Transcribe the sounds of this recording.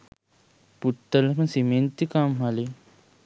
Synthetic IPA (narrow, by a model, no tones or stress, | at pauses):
put̪ːɐlɐmɐnsiment̪ikaːmɦali